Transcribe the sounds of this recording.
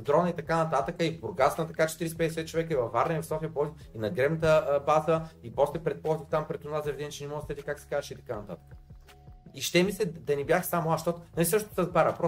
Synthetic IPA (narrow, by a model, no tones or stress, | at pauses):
d̪ɾɔnɐit̪ɐkanɐt̪at̪əkəivbʊɾɡat̪snt̪ɐkat͡ʃɛ̥t̪iɾisɛpɛd̪ɛsɛt̪̚t͡ʃovɛkəivɐfːaɾnəivfsɔfijəpɔiinɐɡɾɛbnət̪əbazəipɔslɛpɾɛt̪̚pɔzixt̪ampɾɛt̪ʊnazɐvɛd̪ɛnit͡ʃɛnɛmɔst̪ɛt̪ikaksɛ̥kazʃɛit̪ɐkanɐt̪a̰t̪ə̥kə | iʃt̪ɛmislʲɛd̪ɐnibʲjaxsamʊaʃt̪ɔt̪nɐlisɤʃt̪ot̪səzbaɾəpɾɔ